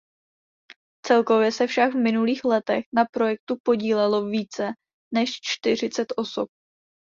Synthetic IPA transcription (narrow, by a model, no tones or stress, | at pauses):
t͡sɛlko̞vjɛsɛfʃaɡvmɪnuliːxlɛt̪ɛxnapɾo̞jɛk̚t̪upo̞ɟiːlɛlo̞viːt͡sɛ | nɛʃt͡ʃt̪ɪr̝ɪt͡sɛt̪ʔo̞sop̚